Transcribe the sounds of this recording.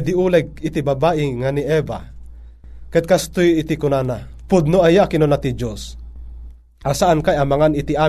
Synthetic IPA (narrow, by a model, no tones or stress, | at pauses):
d̪iulɛɡ̚it̪ibabaʔɪŋaniʔɛba̰ | kɛd̪̚kast̪ujit̪ikʊnanapʊd̪̚noajakinonat̪id͡ʒos | ʔasaʔankajamaŋanit̪ia